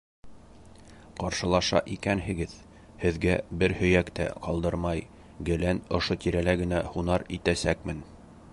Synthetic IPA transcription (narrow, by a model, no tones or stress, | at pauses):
qɑɾʃɤ̆lˠɑʃɑ̰ʔikænɦɘ̆ɡɘð | hɘ̆ðɡæbɘɾhɵ̆jækt̪æ̰qɑlˠd̪ɤɾmɑj | ɡɘ̆lænŏʃot̪iɾælæɡɘ̆næhunɑɾit̪æsækmɘn